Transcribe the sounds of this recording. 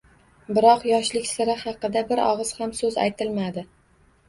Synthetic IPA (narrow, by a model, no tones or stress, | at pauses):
bɪɾɒqjɒʃlɪkʲsɪɾɪhɑqɨd̪abɪɾɒ̰ʁɨz̥hamsɵza̰jt̪ʰɪlmad̪ɪ